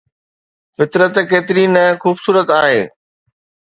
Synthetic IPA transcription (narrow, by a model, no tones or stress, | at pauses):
fɪt̪ɾət̪keːt̪ɪɾinəxuːbsuːɾət̪aːɦeː